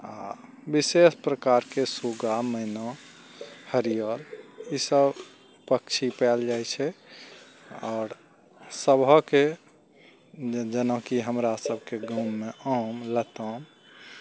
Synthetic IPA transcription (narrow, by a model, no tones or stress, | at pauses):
a̰ | bisespɾəkaɾkesuɡaməɪnɔ | həɾijəɾisəbʱ | pəkt͡ʃʰipɛld͡ʒajt͡ʃʰɛ | ɔːɾ | səbʱəke | d͡ʒənə̃kiɦəmɾasəb̚ʱkeɡumːeʔəmlət̪əm